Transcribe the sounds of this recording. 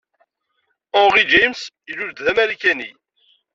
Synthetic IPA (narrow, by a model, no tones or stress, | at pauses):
ɔ̃ʁid͡ʒæjms | iluɾd̪ðæmæɾikæni